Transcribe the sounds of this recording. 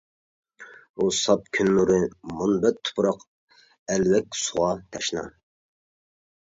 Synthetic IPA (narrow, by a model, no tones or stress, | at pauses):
usɑp̚kʲʰynːuɾɨmunbɛt̪ʰːʊ̥pɾɑq | ɛlwɛkʲsuʁɑt̪ʰɑʃnɑ̰